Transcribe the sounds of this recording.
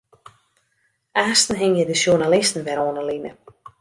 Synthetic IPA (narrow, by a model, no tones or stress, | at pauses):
aːstn̩ɦɪŋjədəʃjunalɪstn̩ʋɛɾoːnəlinə̰